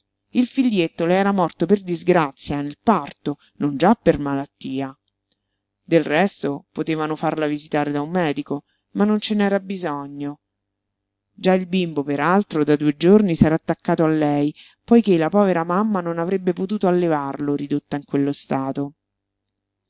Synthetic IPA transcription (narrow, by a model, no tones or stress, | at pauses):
ilfilːjet̪ːoleɛːɾamɔrt̪operd̪izɡɾat̪sːjanelpart̪o | nond͡ʒapːermalat̪ːiːa | d̪elrɛst̪opot̪eːvanofarlavizit̪aːɾed̪aumːɛːd̪iko | manːont͡ʃenɛːɾabːizɔɲːo | d͡ʒailbimbopeɾalt̪ɾod̪ad̪ued͡ʒornisɛːɾaːt̪ːakːaːt̪oalːɛj | pɔjkelapɔːveɾamamːanonavɾebːepot̪uːt̪oalːevarloɾid̪ot̪ːaiŋkwelːost̪aːt̪o